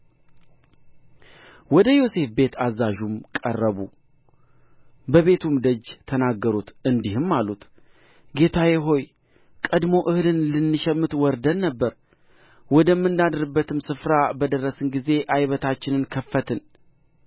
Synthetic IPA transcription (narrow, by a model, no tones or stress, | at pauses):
wɔd̪əjo̞se̞fbe̞t̪ʰazːaʒumkʼə̰rːəβṵ | bəβe̞t̪ʰumd̪əd͡ʒt̪ʰənaɡːəɾut̪ɨnd̪ihɨmːalut̪ | ɡe̞t̪ʰajɛɦo̞j | kʼəd̪mo̞ʔɨhɨlɨnlɨnːɨʃɛmːɨt̪wɔɾd̪ənnəbːəɾ | wɔd̪əmːɨnd̪ad̪ɨɾɨbːət̪ʰɨmsɨfɾabəd̪ərːəsɨnɡize̞ʔajβət̪ʰat͡ʃːɪnɨnkʰəfːət̪ʰɨn